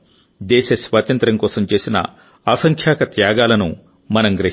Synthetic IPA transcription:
d̪ɛːʃɐsʋaːt̪ɐnt̪ɾɐŋkɔːsɐmt͡ʃe̞ːsinɐ̰ | aːsɐŋkʰjaːkɐt̪jaːɡaːlɐnu | mɐnɐmɡɾɐ

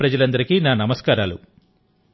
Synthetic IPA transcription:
pɾɐd͡ʒɐlɐnd̪ɐɾikiːnaːnɐmɐskaːɾaːlṵ

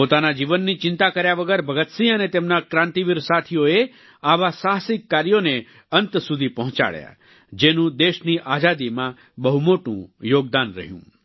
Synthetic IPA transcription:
pot̪anad͡ʒiʋənːit͡ʃɪ̃nt̪akəɾjaʋəɡəɾbʱəɡət̪sĩənet̪emnakɾãnt̪iʋiɾsat̪ʰijoe | aʋasaɦsɪkːaɾjone | ənt̪sud̪ʱipəɦɔ̃t͡ʃa̰ɭja̰ | d͡ʒenũd̪eʃniʔad͡ʒad̪imã | bəɦumoʈṵ̃joːɡ̚d̪anɾə̰ɦjṵ̃

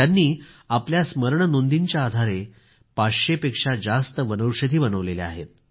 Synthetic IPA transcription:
anːiː | apljasməɾɳənond̪iɲt͡ɕjaːd̪ʱaɾe | pat͡sɕepekʂad͡zast̪əʋənəwɕəd̪ʱiːbənəʋlelḛa̰ɦḛt̪̚

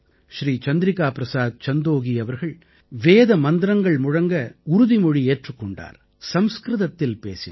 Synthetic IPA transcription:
ʃɾiːt͡ʃɐnd̪ɪɾɪkːaːpɾɐsaːd̪̚t͡ʃɐnd̪oːɣiɐʋɐɾɣɐɭ | ʋeːðɐmɐnd̪ɪɾɐŋɡɐɭmʊɻɐŋɡɐʊɾʊðimɔɻieːʈrɯkːɔɳɖa̰ːɾ | sɐmskɾɪðɐt̪ːɪlpḛːsɪ

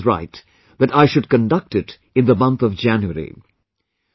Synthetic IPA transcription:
ɹa̰ɪt | ðɨʈaɪʃʊd̚kə̃nɖʌk̚ʈɪt | ɨ̃nðəmʌ̃nt̪ʌvd͡ʒæ̃njuəɾḭ

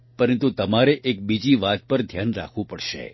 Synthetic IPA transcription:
pəɾənt̪ut̪əmaɾeʔek̚bid͡ʒiʋat̪̚pəɾd̪ʱjanɾa̰kʰʋũpəɽʃḛ

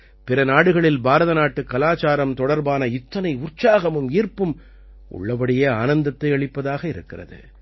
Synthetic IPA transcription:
pɪɾɐnaːɽɯɣɐɭɪlbaːɾɐðɐnaːʈːɯkːɐlaːt͡ʃaːɾɐmt̪ɔɽɐɾbaːnɐɪt̪ːɐnɐɪʊrt͡ʃaːɣɐmɯmiːrpɯm | ʔʊ̰ɭːɐpɐɽɪjeːaːnɐnd̪ɐt̪ːɐɪɐɭɪpːɐðaːɣɐɪɾɯkːɪrɐ̰ðɯ̰

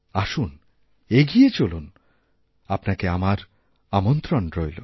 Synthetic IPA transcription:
aʃun | eɡijet͡ɕolun | apnakeamaɾ | amont̪ɾonɾojlo

